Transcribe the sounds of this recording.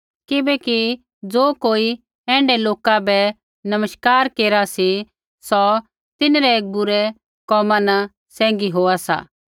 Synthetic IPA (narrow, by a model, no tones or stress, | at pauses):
kɪbɛki | d͡zoːkoːi | ɛ̃ːɳɖɛloːkabɛ | nɐməʃkaːɾkeːɾasi | sɔ | t̪ɪnɾɛeːk̚bʊɾɛ | kɔːmãnɐ | sɛ̃ːŋɡiɦoːasa̰ː